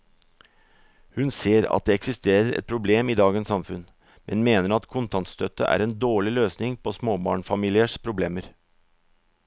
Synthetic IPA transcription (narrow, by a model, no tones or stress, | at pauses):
hʉnseːɾɑ̰t̪̚d̪eːɛksɪst̪eːɾəɾɛ̰t̪̚pʰɾʊbleːmiːd̪ɑːɡənsɑmfʉn | mʔɛnmeːnəɾɑt̪kʰʊnt̪ʰɑnt̪st̪ʰœt̪ə̰ʔæ̰ːɾɛnd̪oːɭɪløːsnɪŋpʰoːsmoːbɑ̰ːɳfɑmiːlɪəʂpʰɾʊbleːməɾ